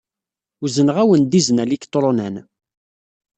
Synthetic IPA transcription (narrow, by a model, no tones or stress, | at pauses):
uzənʁæwənd̪izənælikt̪ˤɾˤonæn